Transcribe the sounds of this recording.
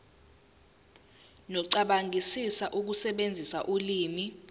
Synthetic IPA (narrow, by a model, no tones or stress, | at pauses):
nɔǀaɓaŋʱisisaʔuk̬usɛɓend͡zʱisaʔuliːmi